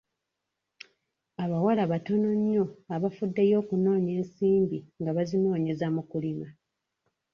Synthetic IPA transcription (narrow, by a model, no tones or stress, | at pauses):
aβawalaβato̞no̞ɲːo̞aβafudːejo̞ːkuno̞ːɲe̞ːnsiːmbiŋɡaβazino̞ːɲe̞zamukulima